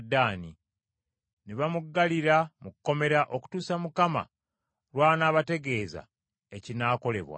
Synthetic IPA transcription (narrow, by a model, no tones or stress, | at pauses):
dːaːni | neβamuɡːaliɾamukukːo̞me̞ɾaʔo̞ku̥tuːsamukama̰ | ɾwaːnaːβate̞ɡe̞ːza̰ | e̞cinaːko̞le̞̰βwa̰